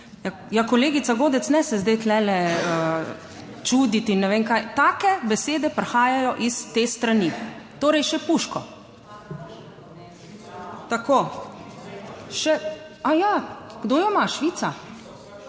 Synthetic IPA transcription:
ja | jakɔleːɡit̪saɡoːd̪ɛt̪snɛsɛzd̪ɛjt̪lɛlɛə | t͡ʃuːd̪it̪inːɛʋeːŋkaːjt̪aːkɛbɛseːd̪ɛpɾɛxaːjajɔʔist̪eːst̪ɾanit̪oːɾɛjʃɛpuʃkɔ | t̪akoː | ʃɛ | ajaɡ̥d̪oːjɔmaʃʋiːt̪sa

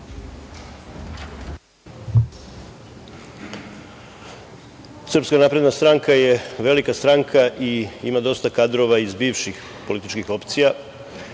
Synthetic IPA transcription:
sr̩pskanaːpɾe̞d̪nast̪ɾaŋkaje̞ʋe̞likast̪ɾaŋkʰaʔiimad̪o̞st̪akad̪ɾo̞ʋaizbiːʋʃix | po̞lit̪it͡ʃkixo̞pt̪sija

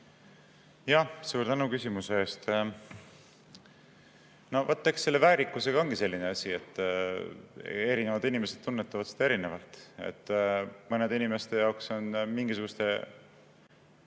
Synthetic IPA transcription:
jɑsuːɾt̪ænukysʲimuse̞eːst̪ | no̞vɑt̪ːeksːe̞lːe̞væːɾikːˑuse̞ɡ̥ɑo̞nɡ̥ise̞lʲːineɑsʲie̞t̪ː | e̞ɾine̞vɑd̪inime̞se̞d̪̥̚t̪ːunːet̪ːɑvɑd̪̥si̥d̪ɑeɾine̞vɑlt̪ˑe̞̰t̪ːmɤne̞d̪inime̞st̪e̞jɑwkso̞nmiŋɡisuɡ̥ust̪e̞

